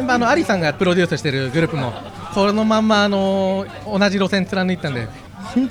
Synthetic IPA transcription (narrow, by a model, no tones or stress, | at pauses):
ẽmbaano̞aɾʲisãŋɡapɯ̟ɾo̞dʲɨ̟ːsɨɕi̥t̪e̞ɾɯ̟ɡɯ̟ɾɯ̟ːpɯ̟mo̞̰ | kono̞mãmːaːno̞ː | naʑiɾo̞sẽnt͡sɨɾanɯit̪ːãnd̪e